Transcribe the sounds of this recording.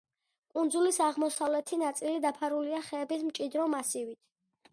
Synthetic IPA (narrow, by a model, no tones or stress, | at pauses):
kʼund̪zulisaʁmɔsavlɛt̪ʰinat̪sʼilid̪apʰaɾuliaχɛːbismt͡ʃʼid̪ɾɔmasivit̪ʰ